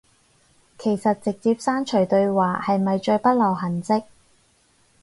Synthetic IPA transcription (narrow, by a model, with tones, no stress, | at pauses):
kʰe˨˩jsɐ˨t̚t͡sɪ˨k̚t͡siː˧p̚saː˥nt͡ʃʰɵ˨˩ɥt̪ɵ˧ɥwaː˨hɐ˨jmɐ˨jt͡ʃɵ˧ɥpɐ˥t̚lɐ˨˩wɦɐ˨˩nt͡sɪ˥k̚